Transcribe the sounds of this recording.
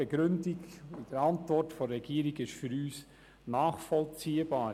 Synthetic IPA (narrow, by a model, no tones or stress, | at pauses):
ɛɡɾʏndiɡɪd̥əɾɑntʋɔtfoɾɛɡ̥iːəɾiɡɪʃfyɾyːs | naːχfɔlt͡siːəbaːɾ